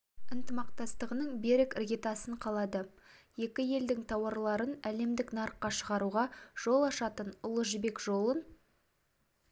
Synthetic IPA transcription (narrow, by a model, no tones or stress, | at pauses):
ɪnt̪əmɑq̚t̪ɑst̪əʁənəɴbe̞ɾɪkrɡʲet̪ɑsəɴqʰɑlˠɑd̪ə | je̞kʲɪje̞ld̪ɪŋt̪ʰɑwɑɾlˠɑɾənæle̞md̪ɪknɑɾqːɑʃəʁɑɾuʁɑʒ̥o̞lˠɑʃɑt̪ənʊlˠəʒɪbe̞kʒo̞lˠən